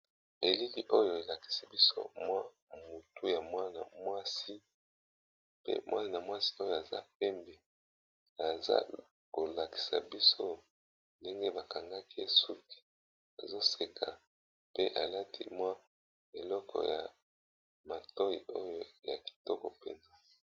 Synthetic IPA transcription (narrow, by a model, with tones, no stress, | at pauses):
e˨li˦ki˨ʔo˦jo˨e˨la˨ki̥˨si˨bi˦so̰˦mwa˦ | mu˨tu˦ja˨mwa˦na˨mwa˦si˦ | pḛ˦mwʔa˦ni˦na˨mwa˦si˦o˦jo˨a˨za̰˦p̚ɛ˦mbe˨ | a˨za̰˦ | ko˨la˨ki̥˨sa̰˨bi˦so˦ | nde˦ŋɡe˦ba˨ka˨ŋɡa˦ki˦e˦su˦ki̥˨ | a˨zo˦se˨kʰa˨ | pe˦ʔa˨la˦tʰḭ˦mwa˦ | e˨lɔ˦kʰɔ̰˨ja˨ | ma˨tɔ˦jḭ˨o˦jo˨ja˨ki̥˨tɔ˦kɔ̰˨pɛ˨nza˦